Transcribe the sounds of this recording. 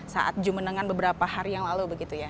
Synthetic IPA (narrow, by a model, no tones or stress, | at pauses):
sa̰ʔa̰t̪̚d͡ʒumənəŋanbəbəɾapahaɾijaŋlalubəɡit̪uja